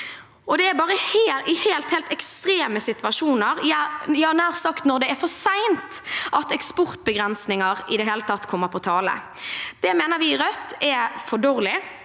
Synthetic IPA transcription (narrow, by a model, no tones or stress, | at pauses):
ɔd̪ɛæɾbɑːʁəheːʔɪheːlt̪heːlt̪ɛkst̪ɾeːməsɪt̪ʋɑʂuːnəʁjjɑːnæːʁsɑkt̪nɔɾd̪ɛæfɔʁsæɪnt̪ʔɑt̪ɛkspɔʁt̪̚bəɡʁɛnsnɪŋəʁɪd̪ɛɦeːlət̪ʰɑt̪ːkʰɔmːəpʰɔt̪ʰɑːlə̰ | d̪̥ɛmeːnəɾʋɪɾœt̪ːɛfɔɖoːʁlɪ